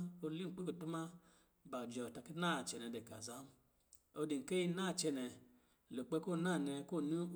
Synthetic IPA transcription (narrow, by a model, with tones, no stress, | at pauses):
o˧li˦˨k͡pi˦ko˨tu˦ma˦ | ba˨d͡ʒɔ˨ta˨ki˦na˦˨t͡ʃɛ˨nɛ˨de˨ka̰˨za˦m˦ | o˧di˨ŋ̩˨ke˦ji˦na˦˨t͡ʃɛ˧nɛ˨ | lo˨k͡pe˧˦ko˦˨na˦˨nɛ˧ko˦˨nu˦˨